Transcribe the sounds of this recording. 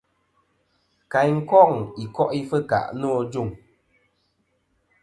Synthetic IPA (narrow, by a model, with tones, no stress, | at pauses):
ka˨jŋ̩˦kɔ˦˨ŋi˨kɔ˦ʔi˦fə˦ka̰˨ʔnɔː˦˨d͡ʒu˦˨ŋ